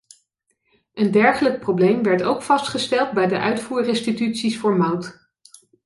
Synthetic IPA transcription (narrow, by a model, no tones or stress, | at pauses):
ʔəndɛɹχələk̚prowblejmʋɛɹtowkfɑstχəstɛlˠd̚bɛjdəʔœ̰ɥtfuːɹrɪnstitytsisfʊːɹmɑwt